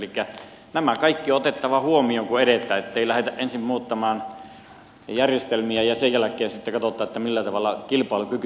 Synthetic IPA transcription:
likːæ | næmækɑikːioot̪et̪ːɑʋɑhuomioːŋkueɾet̪ˑæːet̪ːeilæhet̪æʔʔensimmuːt̪ːɑmɑːn | jærjest̪elmiæjɑsejjælækˑeːnsit̪ːekɑt̪ot̪ˑɑːet̪ːæmilːæt̪ɑʋɑlːˑɑkilpɑˑelukyk

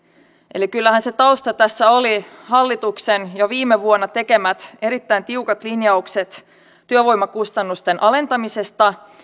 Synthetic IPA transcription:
ʔe̞likylːæhænse̞t̪ɑust̪ɑt̪æsːæolihɑlːit̪uksenjoʋiːmeʋuonːɑt̪e̞ke̞mæt̪e̞ɾit̪ːæint̪iukɑt̪linjɑukse̞t̪ː | yøʋo̞jmːɑkust̪ɑnːust̪e̞nʔɑle̞nt̪ɑmise̞st̪ɑ

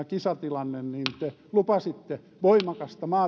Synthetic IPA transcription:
kisɑt̪ilɑnːenniːnt̪e | lupɑsit̪ːe | ʋoimɑkɑst̪ɑmɑː

